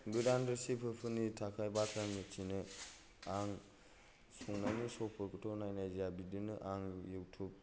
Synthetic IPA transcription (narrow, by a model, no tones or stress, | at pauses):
ɡɯdandɯsipʰɯpʰɯnitʰakʰajbatʰɾaŋmit͡ʃinɯ | aŋ | suŋnajnɯsɔpʰɯɾkʰɯtʰɔwnajnajzijabidɯnɯʔaŋjɯwtʰup̚